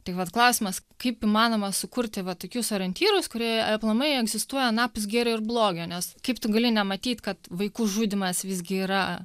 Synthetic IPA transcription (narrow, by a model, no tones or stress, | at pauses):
t̪ʲɪkʋɐt̪klˠɐʊsʲɪmɐskɐɪpiːmɑːnoːmɐsʊkʊɾʲt̪ʲɪʋɐt̪oːkʲʊsɐɾɐnʲt̪ʲiːɾʊskʊɾʲiɛɐplˠɐmɐɪɛɡzʲɪst̪uɔjɛnɑːpʊs̬ɡʲeːɾʲoːɪɾblˠoːɡʲoːnʲɛskɐɪpt̪ʊɡɐlʲɪnʲɛmɐt̪ʲiːt̪kɐt̪ʋɐɪkuːʒuːd̪ʲɪmɐsʋʲɪzʲɡʲɪiːɾɐ